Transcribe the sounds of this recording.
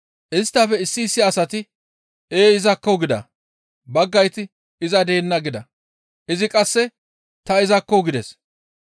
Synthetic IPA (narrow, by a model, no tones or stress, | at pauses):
ʔɪst̪ːɐfɛɪsːiːsːɪɐsɐt̪ɪ | eːɪzɐkːɔɡɪd̪ɐ̰ | bɐɡːɐjt̪ɪ | ɪzɐd̪e̞ːnːɐɡɪd̪ɐ̰ | ʔɪzɪkʼɐsːɛ | t̪ɐɪzɐkːɔɡɪd̪ɛs